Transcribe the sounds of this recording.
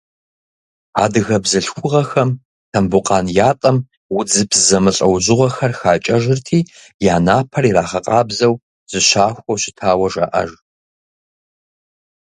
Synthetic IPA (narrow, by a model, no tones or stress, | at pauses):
a̰ːdɨɣɐbzɨɬxʷʊʁɐxɐm | tʰɐmbʊqʼɑːnjaːtʼɐm | wʊd͡zɨpszɐmɨɬʼɐ̰wʑɪʁɐxɐrxaːt͡ʃʼɐʒɪrtʰiː | jaːnaːpʰɐriraːχɐqʼɑːbzɐw | z̥ɨɕaːxʷɐwɕɪtʰaːwɐʒɐ̰ʔɐ̰ʒ